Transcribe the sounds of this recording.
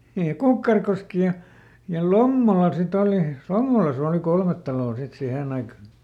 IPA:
niːj jɑ kukːɑrkoski jɑ jɑ lomːolɑ sit oli lomːolɑsɑ̆ oˑli kolmet tɑloː sit siheˑn ɑikɑ

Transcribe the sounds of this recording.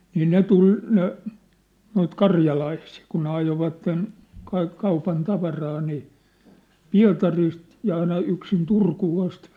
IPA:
niː ne tul ne noit kɑrjɑlɑisiː kun ne ɑjoʋɑtːen kɑik kɑupɑn tɑʋɑrɑː niː piɑ̝tɑrist jɑ ɑinɑ yksin turkuː ɑst

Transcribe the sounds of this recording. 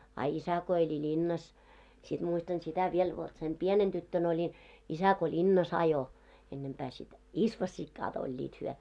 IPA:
ɑ isæ ko elʲi lʲinːɑs sid̥ muistɑn sitæ ʋiel ʋot sem pienen d̥ytːøn olʲin isæ ko lʲinːɑs ɑjo enːempæː sit isʋosʲːikːɑːt olʲːiːt hyœ

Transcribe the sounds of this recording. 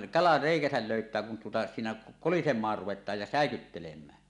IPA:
kɑlɑ reˑikæsæl løytˑæː kun tuotɑ siːnæ kolisemˑɑːr ruʋetˑɑːj jɑ sæˑekytːelemˑæː

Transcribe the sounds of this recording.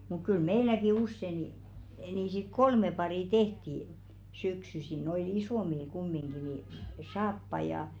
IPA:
muk kyl meilæki usːe ni niˑ sit kolme pɑriˑ tehti syksysi noil isoˑmil kumːiŋɡ̊i ni sɑːpːɑĭ jɑ

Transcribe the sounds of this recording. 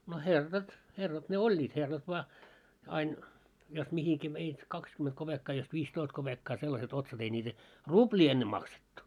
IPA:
no herːɑt herːɑt ne olʲːiːt herːɑt ʋŏɑ ɑin jos mihiki ʋeit kɑkskymet kob̥ekːɑː jos ʋiːstoist kob̥ekːɑː selːɑset otsɑt ei nʲiːtæ rub̥lʲiː enːe mɑksetːu

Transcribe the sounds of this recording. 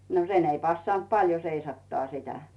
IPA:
no sen ei pɑsːɑnt pɑljo seisɑtːɑː sitæ

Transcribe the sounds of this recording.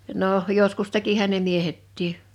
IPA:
noˑh joskus tekihæn̆ ne miehetːiː

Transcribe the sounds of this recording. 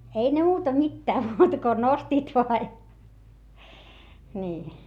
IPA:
ei ne muːtɑ mitːæː muːtɑ ko nostiːt ʋoɑ jɑ niː

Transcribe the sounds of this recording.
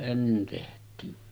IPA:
enːen tehtˑiːn

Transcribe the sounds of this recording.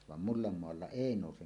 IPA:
ʋɑm mulːɑmːoɑlːɑ eˑi noˑusen

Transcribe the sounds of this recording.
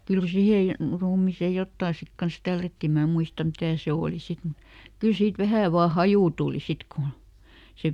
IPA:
kyl siheˑ ruːmiˑseˑ jotːɑˑ sit kɑns tælːætːi mæ muistɑm mitæˑ se oˑli sit mut kyl siːt ʋæhæˑ ʋɑː hɑjuˑ tuˑli sit kun se

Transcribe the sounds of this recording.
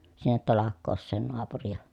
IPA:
sinːet tɑlɑkˑoːsˑeːn noɑpurijɑ

